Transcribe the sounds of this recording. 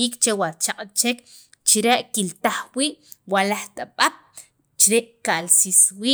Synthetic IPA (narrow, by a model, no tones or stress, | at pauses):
iːkt͡ʃewaɾt͡ʃaqʼt͡ʃek | t͡ʃiɾeʔkilt̪aχwiːʔwalaχt̪ʼaɓap̚ | t͡ʃɾeʔkalsiswiː